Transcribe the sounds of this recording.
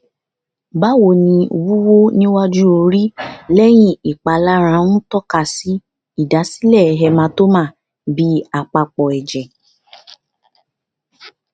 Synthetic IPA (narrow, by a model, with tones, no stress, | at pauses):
ba˦wo˧˨nĩ˧u˧˨wu˦wo˦nĩ˦wa˦˧d͡ʒu˦o˧˦ɾi˦lɛ˦j̃ĩ˦˨i˨k͡pa˨la˦ɾ̃ã˧˦nũ˦tɔ˦ka˨si˨˦ | i˦˨da˨˦si̥˦lɛ˦˨ɛ˧˨ɦɛ˧mã˨˦to˦mãː˦˨ | bi˦a˨k͡pa˧k͡pɔ˨ɛ˨d͡ʒɛ˨